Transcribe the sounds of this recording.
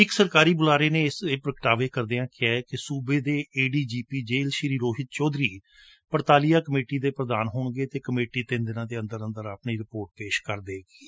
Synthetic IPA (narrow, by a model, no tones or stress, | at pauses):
ɪksəɾkaːɾiːbʊlaːɾeːneːɪseːpɾəkʈaːʋeːkəɾd̪eãːkɪɛːkɪsuːbeːd̪eːʔeːɖiːd͡ʒiːpiːd͡ʒeːlʃɪɾiːɾoːɦɪt̪̚t͡ʃɔːd̪ɾiː | pəɾt̪aːlijaːkəmeːʈiːd̪eːpɾəd̪aːnɦoːɳɡeːt̪eːkəmeːʈiːt̪ɪnd̪ɪnãːd̪eːə̃nd̪əɾə̃nd̪əɾaːpɳiːɾɪpoːɾʈ̚peːʃkəɾd̪eːɡiː